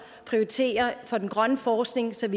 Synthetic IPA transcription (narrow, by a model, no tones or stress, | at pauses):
pʰʁioit͡sʰe̝̰ːɐfɒ̽d̥enɡ̥ʁɶnəfɒːsɡ̥ne̝ŋsɒ̽ʋi